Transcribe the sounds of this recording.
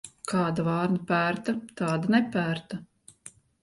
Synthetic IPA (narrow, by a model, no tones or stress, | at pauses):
kʰɑːd̪avɑːɾnapæːɾt̪ɐt̪ɑːd̪anɛpæːɾt̪a